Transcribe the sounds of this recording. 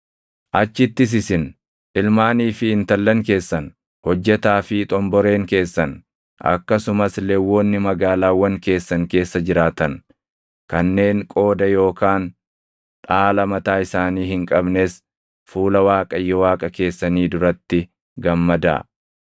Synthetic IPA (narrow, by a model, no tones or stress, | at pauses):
ʔɐt͡ʃːɪt̪ːɪs̬ɪsɪn | ʔɪlmaːniːfɪɪnt̪ɐlːɐŋke̞ːsːɐn | hɔd͡ʒːɛt̪aːfɪt̪ʼɔmbɔɾe̞ːŋke̞ːsːɐn | ɐ̰kːɐsʊmɐslɛwːoːnːɪmɐɡaːlaːwːɐŋke̞ːsːɐŋke̞ːsːɐd͡ʒɪɾaːt̪ɐn | kɐnːe̞ːŋkʼo̞ːd̪ɐjo̞ːkaːn | ᶑaːlɐmɐt̪aːɪsaːniːhɪŋkʼɐbnes | fuːlɐwaːkʼɐjːɔwaːkʼɐke̞ːsːɐniːd̪ʊɾɐt̪ːɪ | ɡɐmːɐd̪a̰ː